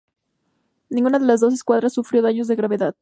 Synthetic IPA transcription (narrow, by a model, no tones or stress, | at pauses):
nĩŋɡunaðe̞lazðo̞s̬e̞skwað̞ɾasːufɾjo̞ðaɲo̞zðe̞ɣɾaβe̞ðað